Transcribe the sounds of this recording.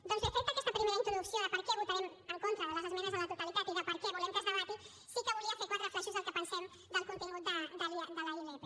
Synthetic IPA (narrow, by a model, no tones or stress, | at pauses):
d̪õnsefet̪akɛst̪apɾimeɾaint̪ɾoðuksjoðəpəɾkɛβut̪aɾeməŋkont̪ɾaðələzəzmɛnəzðəlɐt̪ut̪alit̪at̪iðəpəɾkɛβulemkezβaβat̪i | sikəβuliafeɾkwat̪ɾəflɛʃuzðəlˠkəpənsɛm | d̪əlkunt̪iŋut̪̚d̪əd̪əld̪əlailet̪e